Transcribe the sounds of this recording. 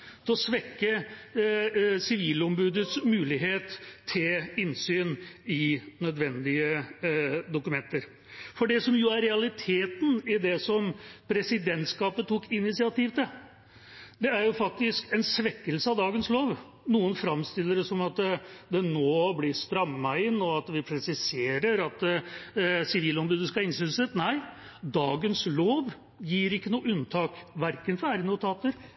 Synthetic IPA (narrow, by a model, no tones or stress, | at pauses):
t̪ʰɛɔsʋɛkːə | sɪʋiːlɔmbʉːd̪ət̪smʉːlɪɦeːt̪ʰːɪlɪnsyːnɪnœd̪ʋɛnd̪ɪə | d̪ʊkʉmɛnt̪əɾ | fɔɖɛsɔmjʊæɾːɛɑlɪt̪ʰeːt̪n̩ɪd̪ɛsɔmpʰɾɛsɪd̪ɛnt̪skɑːpət̪ʰukɪnɪsɪɑt̪iːʋt̪ɪ | d̪ɛæɾjʊfɑk̚t̪ɪskɛnsʋɛkːəlsəɑʋd̪ɑːɡənsloːʋ | nuːənfɾɑmst̪ɪlːəɾɛsɔmɑt̪d̪ɛnoːblɪst̪ɾɑmːɑɪnːɔɑt̪ʋɪpʰɾɛsɪseːɾəɾɑt̪ | sɪʋiːlɔmd̪əd̪ʉskɑɪnsɪlsət̪næɪ | d̪ɑːɡənsloːʋ | jiːɾɪkːənuːʉnt̪ʰɑːkʋæɾkənfɔɾæɾənʊt̪ʰɑːt̪əɾ